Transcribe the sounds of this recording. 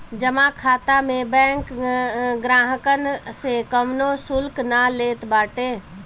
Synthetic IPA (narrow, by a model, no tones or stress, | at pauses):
d͡ʒəmãkʰaːt̪amẽbɛ̃ːŋk | ɡɾaːɦəkənsekəmnosʊlknaleːt̪baːʈeː